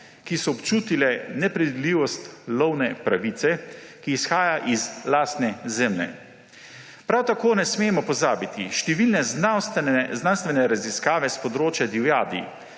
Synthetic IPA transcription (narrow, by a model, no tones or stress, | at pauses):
kisɔːpt͡ʃuːt̪ilɛnɛpɾid̪d̪liːʋɔst̪lɔwnɛpɾaʋiːt̪sɛkiːsxaːjaʔizlaːst̪nɛzɛmlɛ̰ | pɾawt̪akoːnɛsmeːmɔpɔzaːbit̪iʃt̪ɛʋilnɛast̪znanst̪ʋɛnɛɾaziskaːʋɛspɔd̪ɾoːt͡ʃjad̪iwjaːd̪ḭ